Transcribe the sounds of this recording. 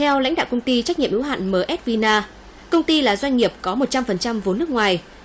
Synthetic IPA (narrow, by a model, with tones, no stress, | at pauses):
t̪ʰɛ˧wla̰˧˥jŋ̟ɗa̰ː˧˨wkə˧wŋ͡mt̪i˧t͡ɕa˦˥ɲḭ˧˨əʔi˨˦wɦa̰ː˧˨nməː˨˩ʔɛ˦˥t̚vi˧naː˧ | kə˧wŋ͡mt̪i˧laː˨˩zwa˧jŋŋi˨˩əp̚kɔ˨˦mo˨˩t̚t͡ɕa˧mfə˨˩nt͡ɕa˧mvo˨˩˦nɨ˦˥ək̚ŋwaː˨˩j